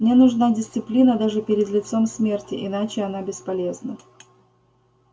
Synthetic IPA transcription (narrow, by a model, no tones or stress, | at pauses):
mnʲe̞nʊʐnadʲɪsʲt̪sɨplʲinəd̪aʐɨpʲɪɾʲɪd̪lʲɪt̪so̞msmʲe̞rtʲɪʔɪnat͡ɕɪɐnabʲɪspɐlʲe̞znə